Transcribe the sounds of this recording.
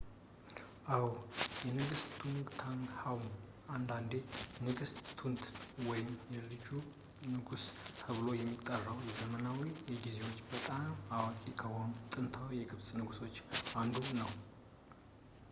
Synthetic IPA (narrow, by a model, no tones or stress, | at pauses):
ʔawjɛnɨɡɨst̪t̪ʰuŋɡt̪ʰaŋɡhawm | and̪and̪e̞nɨɡɨst̪t̪ʰunt̪wɔjɪmjɛlɨd͡ʒu | nɨɡust̪ʰəβɨlo̞jɛmːit̪ʼːərːəwjɛzəmənawijɛɡize̞wo̞t͡ʃːbət̪ʼamawakʼikʰəwamt̪ʼɨnt̪ʰawjɛɡɨβsʼnɨɡuso̞t͡ʃːand̪unəw